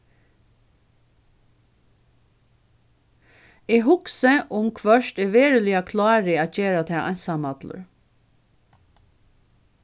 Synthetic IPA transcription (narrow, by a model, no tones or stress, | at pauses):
iːɦʊksəʔʊmkʰʋœʃt̪eʋeːɹəlɪakʰlɑːɾɪɑːc͡çeːɾat̪ʰɛːʔɑ̰nsɑmɑd̪lə̰ɹ